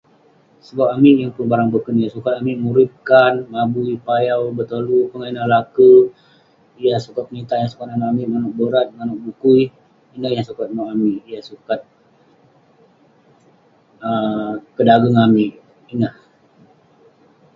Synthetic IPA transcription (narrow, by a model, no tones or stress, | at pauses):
səbap̚amiʔjaŋpʊnbaɾaŋbəkənijasukat̪̚amiʔmuɾip̚kanmabuipajawbət̪olupəŋainalaku | ijasukat̪̚nit̪aʔjaŋsu̥kat̪̚amaamiʔmanuʔ̚bəɾat̪̚manʊʔ̚bukui | inahjasukat̪̚maamiʔijasukat̪̚ | əkədaɡaŋamiʔ | inah